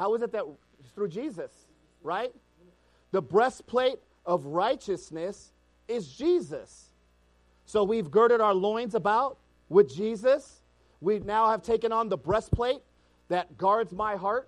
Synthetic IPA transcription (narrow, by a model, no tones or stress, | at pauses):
haʊɨzɨt̪̚ðɨt̚ | θɹʉd͡ʒizɨs | ɹaɪt̪̚ | ðəbɹɛspʰl̥eɪɾ | ʌvɹaɪt͡ʃɨsnɨs | ɪzd͡ʒizɨs | oʊwivɡɜ˞ɾɨɾaʊə˞lɔ̃ɪ̃nzəbaʊt̚ | wɪðd͡ʒizɨs | winaʊɨv̥tʰeɪkɨ̃nə̃nðəbɹɛspʰl̥eɪt̪̚ | ðɨt̚ɡ̥ɑɹdzmaɪɦɑɹt̚